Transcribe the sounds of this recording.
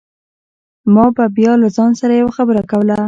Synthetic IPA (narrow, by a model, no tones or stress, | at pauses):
mɑbabjɑlazɑnsaɾajawaxabəɾakawəla